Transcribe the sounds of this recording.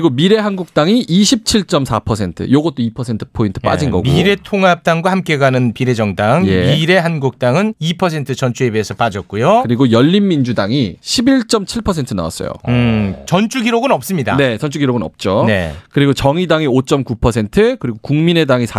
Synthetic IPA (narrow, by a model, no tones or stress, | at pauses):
iɡomiɾe̞ɦanɡuk̚t͈aŋiʔiɕʰip̚t͡ɕʰiɭt͡ɕ͈ʌmsʰapʰʌsʰe̞ntʰɯ̰joɡʌt͈̚oipʰʌsʰe̞ntʰɯ̥pʰointʰɯ̥p͈a̰d͡ʑinɡʌ̰ɡmoiɾe̞tʰoŋap̚t͈aŋɡwahamk͈e̞ɡanɯnpiɾe̞d͡ʑʌŋdaŋje̞iɾe̞ɦanɡuk̚t͈aŋɯnipʰʌs̬ʰe̞ntʰɯt͡ɕʌnt͡ɕʰuebeesʰʌp͈ad͡ʑʌk͈ujokɯɾiɡojʌʎːinmind͡ʑudaŋiɕʰibiɭt͡ɕ͈ʌmt͡ɕʰiɭpʰʌsʰe̞ntʰɯna̰wa̰s͈ʌ̰jo̰ɯt͡ɕʌnt͡ɕʰuɡiɾoɡɯnʌp̚s͈ɯmɲida̰ne̞t͡ɕʌnt͡ɕʰuɡiɾoɡɯnʌ̰p̚t͡ɕ͈onḛkɯɾiɡot͡ɕʌŋidaŋiot͡ɕ͈ʌmkupʰʌsʰe̞ntʰɯkɯɾiɡokuŋmine̞daŋisʰa